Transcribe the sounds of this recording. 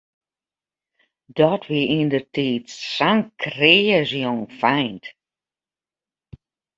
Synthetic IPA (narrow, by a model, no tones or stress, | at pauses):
d̥ɔtʋiindərtʰiːtsaŋkreəzjoŋfɛjnt